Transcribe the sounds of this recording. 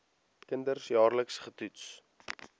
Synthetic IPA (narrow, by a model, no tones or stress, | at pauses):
kəndərsjɑːrləksχətuts